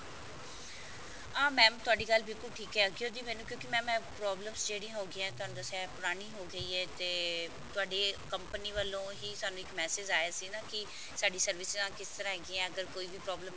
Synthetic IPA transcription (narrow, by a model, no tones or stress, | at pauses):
ãːmɛ̃ːt̪ʊaːɖiːkəlːbɪlkʊlʈʰiːkɛːəɡioːd̪iːmɛːnũːkjõːkɪmɛ̃ːmɛ̃ːpɾɔːbləmsd͡ʒeːɽĩɦoːɡɪãɛ̃ːt̪ʊaːnd̪ãːsɛːpʊɾaːñiːɦoːɡəiːɛːt̪eː | t̪ʊaːɖeːkəmpəniːʋəlːõːɦiːsʊaːnũːɪkmɛːseːd͡ʒaːjaːsiːnãːkɪ | saːɖiːsəɾʋɪsãːkɪst̪əɾãːɦɛːɡɪɛ̃ːəɡəɾkoːiːʋiːpɾɔːbləm